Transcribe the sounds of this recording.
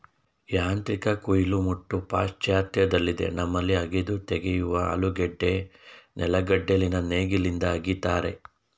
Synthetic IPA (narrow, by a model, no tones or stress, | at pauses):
jaːnt̪ɾikɐkujilumuʈːupaːʃt͡ʃjaːt̪jɐd̪ɐlːid̪e̞̰nɐmːɐlːiɐɡed̪ut̪eɡejuʋɐɐ̰luɡɛɖːe̞nɛlɐɡɐɖːelinɐneːɡilind̪ɐːɡit̪aːɾe̞